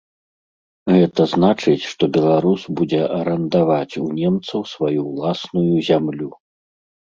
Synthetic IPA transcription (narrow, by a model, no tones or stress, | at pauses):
ɣɛt̪ɐznat͡ʂɨt͡sʲʂt̪ɔbʲɛlˠaɾusbud͡zʲɛʔɐɾɐnd̪avat͡sʲunʲɛmt̪sɐwsvajuwlˠasnujuzʲamlʲu